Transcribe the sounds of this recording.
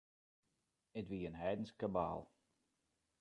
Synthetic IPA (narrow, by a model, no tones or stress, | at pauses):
ətʋiənɦɛjdən̩skaba̰ːlˠ